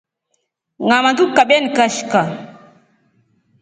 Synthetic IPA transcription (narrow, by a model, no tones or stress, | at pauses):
ŋamatukːaɓɛnkaʃka